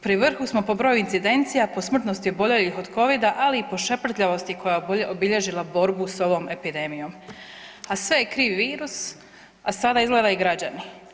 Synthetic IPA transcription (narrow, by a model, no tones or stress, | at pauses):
pɾiʋr̩xusmo̞po̞bɾo̞ːjuint̪sid̪e̞nt̪sijapo̞smr̩t̪no̞st̪iobo̞ʎelixo̞d̪ko̞ʋid̪aʔaliːpo̞ʃe̞pr̩t̪ʎʲaʋo̞st̪iko̞jaobiʎe̞ʒilˠabo̞ɾbuso̞ʋo̞ːme̞pid̪e̞mijo̞ːm | asʋe̞jekɾiːʋʋiːɾus | asad̪aizɡlˠed̪aiɡɾad͡ʑani